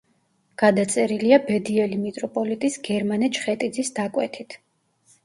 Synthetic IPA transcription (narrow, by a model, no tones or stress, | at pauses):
ɡ̥ad̪at̪sʼɛɾiliabɛd̪iɛlimit̪ʼɾɔpʼɔlit̪ʼisɡɛɾmanɛt͡ʃʰχɛt̪ʼid̪zisd̪akʼwɛ̰t̪ʰit̪ʰ